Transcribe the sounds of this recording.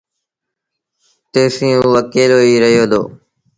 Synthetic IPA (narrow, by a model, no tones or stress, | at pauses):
t̪eːsĩːũʋəkeːloːiːɾəɦɪjoːd̪o̰ː